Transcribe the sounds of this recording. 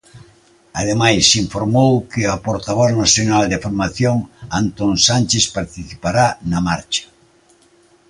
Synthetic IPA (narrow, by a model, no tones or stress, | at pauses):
að̞emajsiɱfoɾmowkɪapoɾt̪aβ̞ɔθnaθjonald̪efoɾmaθjoŋant̪oŋsanʲt͡ʃespaɾt̪iθipaɾanamaɾt͡ʃḁ